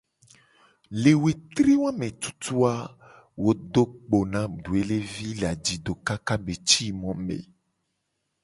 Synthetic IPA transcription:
le˨we˨t̪ɾi˦wã˦mẽ˨t̪u̥˦t̪u˦a˦ | wo˦do˦k͡po˨nã˦ɖu˨e˦le˦vi˦le˨a˨d͡ʒi˨ɖo˨ka˦ka˦be˨t͡ɕi˦mɔ̃˦mḛ˨

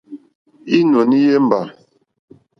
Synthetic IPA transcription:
i˦no˨ni˦je˦m̩˦ba˨

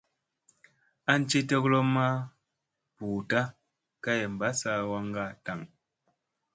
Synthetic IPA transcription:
a˦n̩˦t͡ʃi˦tɔ˦klɔ˦ma˦ | pu˨ta˦ | ka˦je˨m̩˨ba˨˦sa˦˨wa˦ŋ˦ɡa˦˨ta˨ŋ

